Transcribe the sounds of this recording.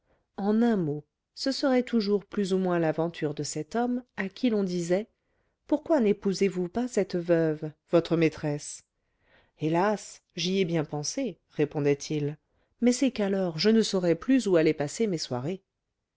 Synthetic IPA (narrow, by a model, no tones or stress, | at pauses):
ɑ̃nɛ̃mo | səsəʁɛt̪uʒuʁplyzumwɛ̃lavɑ̃t̪ʰyʁd̪əsɛt̪ɔmakʲʰilɔ̃d̪izɛ | puʁkwanepuzevupasɛt̪vœvː | ɔt̪χəmet̪χɛs | elas | ʒiɛbjɛ̃pɑ̃se | ʁepɔ̃d̪ɛt̪ʰil | mɛsɛkalɔʁʒənəsɔʁɛplyzualɛpasemeswaʁe